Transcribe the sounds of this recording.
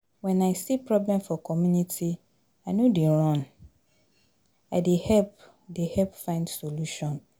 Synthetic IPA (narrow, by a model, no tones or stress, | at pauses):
wɛ̃naɪsipʰɹɔblɛ̃mfɔkʰɔmjũnitʰi | anũdiɹɔ̃n | adehɛp | dehɛpfãɪ̃ndsoluʃɔ̃n